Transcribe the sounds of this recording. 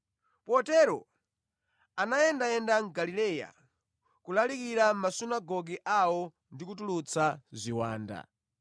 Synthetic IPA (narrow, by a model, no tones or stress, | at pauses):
pɔtɛɾɔ̰ | anajɛndajɛndaŋ̩ɡalilɛja̰ | kulalikiɾam̩masunaɡɔɡiʔawɔ | ndikutulut͡sʰazʷiwa̰ːnda̰